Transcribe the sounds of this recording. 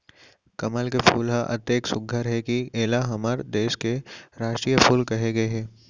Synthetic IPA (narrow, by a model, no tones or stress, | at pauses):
kɐməlkefuːlɦaʔɐ̰t̪eːksʊɡʱəɾɦɛkieːlaɦɐməɾd̪eːʃkeɾaːʃʈɾiːjəpʰuːlkɐɦeɡɐeɦɛ̃ː